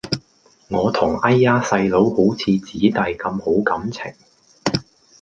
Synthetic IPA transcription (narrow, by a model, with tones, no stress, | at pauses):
ŋɔː˨˧t̪ʰʊ˨˩ŋɐ˥jːaː˥sɐ˧jlo˨˥who˨˥wt͡sʰiː˨˧t͡siː˨˥t̪ɐ˧jkɐ˧mho˨˥wkɐ˨˥mt͡sʰɪ̰˨˩ŋ